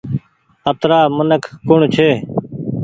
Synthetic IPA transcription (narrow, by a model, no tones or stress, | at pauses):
ət̪ɾaːmənəkːʊɳt͡ʃʰeː